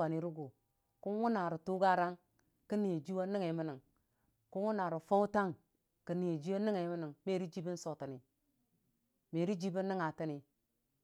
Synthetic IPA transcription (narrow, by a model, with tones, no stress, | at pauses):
a˨ni˨ɾu˦ɡu˨ | ku˦nwu˦na˨ɾu˨tu˦ɡa˦ɾa˦ŋ | ki˦ni˨je˨d͡ʒi˦wa˦ni˦ŋe˨˦mi˦ni˨ŋ | ku˦wu˦na˨ɾu˨fo˦u˦ta˦ŋ | ki˨ni˨je˨d͡ʒi˦wo˦ni˦ŋe˨˦mi˦ni˨ŋme˦˨ɾi˦d͡ʒi˦bi˦n˦so˨ti˨ni˨ | me˨ɾi˦d͡ʒi˦bi˦nː˦i˦ŋa˨ti˦ni˨